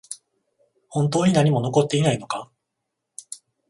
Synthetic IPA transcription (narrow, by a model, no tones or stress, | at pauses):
hõ̞nt̪̬o̞ːɲ̟inaɲ̟imo̞no̞ko̞t̪ːe̞inaino̞ka